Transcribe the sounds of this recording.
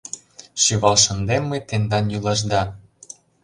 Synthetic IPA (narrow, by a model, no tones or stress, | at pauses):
ʃyβɑlʃə̆nd̪emːet̪end̪ɑnjylɑʒd̪ɑ